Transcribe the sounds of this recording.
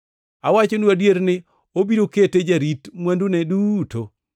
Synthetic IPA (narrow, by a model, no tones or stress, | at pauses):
awat͡ʃonuadjeɾnɪ | obiɾoketed͡ʒaɾitmwandunɛduːto